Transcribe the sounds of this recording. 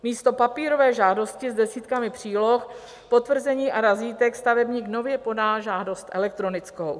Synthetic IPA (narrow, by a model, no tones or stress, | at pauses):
miːst̪o̞papiːɾo̞vɛːʒaːdo̞scɪzdɛsiːt̪kamɪpr̥iːlo̞x | po̞t̪vr̩zɛɲiːʔaɾaziːt̪ɛkst̪avɛbɲiːkno̞vjɛpo̞daːʒaːdo̞st̪ʔɛ̰lɛk̚t̪ɾo̞nɪt͡skow